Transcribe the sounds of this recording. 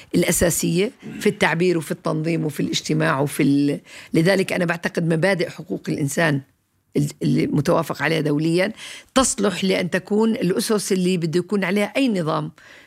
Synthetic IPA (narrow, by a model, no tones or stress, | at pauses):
ʔɪlʔasaːsɪjːafit̪ːaʕbiːɾwɪfit̪ːɑnðˤiːmwɪfilʔɪd͡ʒt̪ɪmaːʕwɪfilɪðaːlɪkʔanabaʕt̪aqɪd̪mabaːd̪ɪʔħʊquːqɪlʔɪnsaːn | ɪɪlːimʊt̪awaːfɪqʕaleːhad̪awlɪjːant̪ɑsˤlʊħlɪʔanːt̪akuːnɪlʔʊsʊsʔɪlːibɪd̪ːujakuːnʕaleːhaʔajːnɨðˤɑːm